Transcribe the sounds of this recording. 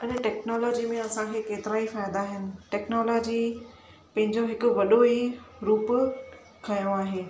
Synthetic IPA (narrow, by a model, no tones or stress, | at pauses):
ɐnɛʈɛːknɔːlɔːd͡ʑimẽɐsãkʰeːkeːt̪ɪɾaːifaːjd̪aːɦɪnɪ̆ʈɛːknɔːlɔːd͡ʑi | pɐ̃ɦɪ̃ɲd͡ʑoɦɪkʊ̆ʋɐɗoiɾuːpʊ | kʰɐjõaːɦeː